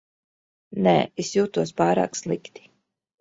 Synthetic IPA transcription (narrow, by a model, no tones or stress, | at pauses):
nɛ̰ːisjuːt̪uɔspaːɾa̰ːkslˠikt̪i̥